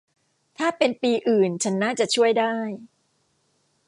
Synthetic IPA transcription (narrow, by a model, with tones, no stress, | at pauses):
t̪ʰaː˥˩pe˧npiː˧ʔɯː˨˩nt͡ɕʰa˦˥nːaː˥˩t͡ɕa˨˩t͡ɕʰu˥˩əjdaː˥˩j